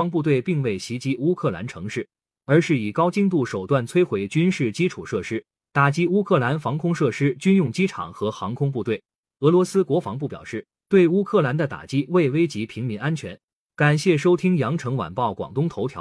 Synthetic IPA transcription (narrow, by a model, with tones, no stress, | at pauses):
ɑ˥ŋp̬u˥˧t̪we˥˧ɪpi˥˧ŋwe˥˩ɪɕi˧˥t͡ɕi˥u˥kʰɤ˥˩la̰˧˥nʈ͡ʂʰɤ˧˥ŋʂɻ̩˥˩ | ə˞˧˥ʂɻ̩˥˩i˨˩kɑ˥ʊt͡ɕi˥˧ŋt̪̬u˥˩ʂo˨˩ʊt̪wa˥˩nt͡sʰwe˥ɪxwe˧˥ɪt͡ɕy˥nʂɻ̩˥˩t͡ɕi˥ʈ͡ʂʰu˨˩ʂɤ˥˩ʂɻ̩˥ | t̪a˨˩t͡ɕi˥u˥kʰɤ˥˩la˧˥nfɑ˧˥ŋkʰʊ˥ŋʂɤ˥˩ʂɻ̩˥t͡ɕy˥njʊ˥˩ŋt͡ɕi˥ʈ͡ʂʰɑ̰˨˩ŋxɤ˧˥xɑ˧˥ŋkʰʊ˥ŋp̬u˥˧t̪we˥˩ɪ | ɤ˧˥lwɔ˧˥sɹ̩˥kwɔ˧˥fɑ˧˥ŋp̬u˥˩pjɑ̰˨˩ʂɻ̩˥˩ | t̪we˥˩ɪu˥kʰɤ˥˩la˧˥nd̪ə˧t̪a̰˨˩t͡ɕi˥we˥˩ɪwe˥ɪt͡ɕi˧˥pʰi˧˥ŋmi˧˥ŋa˥nt͡ɕʰɥɛ̰˧˥n | ka˨˩nɕjɛ˥˩ʂo˥ʊt̪ʰi˥ŋjɑ˧˥ŋʈ͡ʂʰɤ˧˥ŋwa̰˨˩npɑ˥˩ʊkwɑ̰˨˩ŋt̪ʊ˥ŋt̪ʰo˧˥ʊj̰